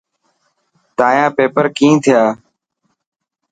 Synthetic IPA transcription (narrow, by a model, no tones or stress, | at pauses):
t̪ãːjãːpeːpəɾkĩːt̪ʰɪjaː